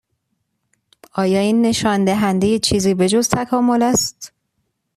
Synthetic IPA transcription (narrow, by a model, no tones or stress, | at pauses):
ɒːjɒːiːnːe̞ʃɒːnd̪æɦænd̪ejet͡ʃʰiːziːbe̞d͡ʒozt̪ʰækʰɒːmo̞læst̪